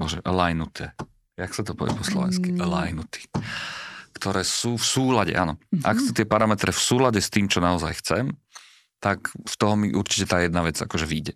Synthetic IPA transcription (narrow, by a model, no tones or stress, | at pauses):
bɔʒɛ̰ʔlajnut̪ʰɛː | jaksat̪ɔpɔ̰ʋɪɛ̰pɔslɔ̰ʋɛ̰nskilajnut̪i̥ | kt̪ɔɾɛːsuːfsuːlaɟɛ̰ʔanɔʔa̰kxsut̪ɪɛpaɾamɛt̪ɾɛfsuːlaɟɛst̪iːmt͡ʃɔnaɔzajxt͡sɛm | t̪akst̪ɔɦɔmiʔuɾt͡ʃi̥cɛt̪aːjɛd̪naʋɛd͡za̰kɔʒɛʋiːɟɛ